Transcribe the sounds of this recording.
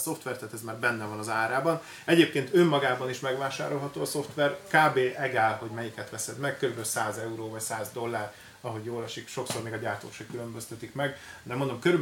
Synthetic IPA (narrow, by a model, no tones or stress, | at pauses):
so̞ft̪ʋɛrt̪aːt̪ɛzmaːrbɛnːɛvɒnɒzaːɾaːbɒn | ɛɟeːpkeːnt̪ømːɒɡaːbɒniʃmɛɡʋaːʃa̰ːɾo̞lɦɒt̪oːɒso̞ft̪ʋɛrkaːbeːʔɛɡaːlho̞ɟmɛjikɛt̪ʋɛsɛd̪mɛkkøɾybɛlsaːzɛuɾoːvɒcsaːzd̪o̞lːaːɾ | ɒɦo̞ɟjoːlɒʃikʃo̞ksormeːɡɒɟaːrt̪o̰ːkʃɛkylø̞mbøst̪ɛt̪ikmɛɡd̪ɛmond̪o̞mkøɾyb